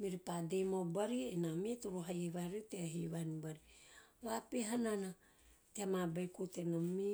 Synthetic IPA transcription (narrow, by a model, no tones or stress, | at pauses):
miɾipadejmobaɾienamituɾuɦajeβaɾiteaɦiβanibaɾiβapeɦanana | teamabajkutenami